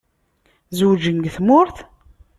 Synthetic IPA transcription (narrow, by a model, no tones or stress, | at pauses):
zwd͡ʒəŋɡθmʊɾθ